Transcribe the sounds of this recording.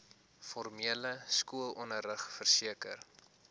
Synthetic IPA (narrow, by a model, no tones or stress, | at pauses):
fɔrmiələskuəlˠɔnərəχfərsiəkə̰r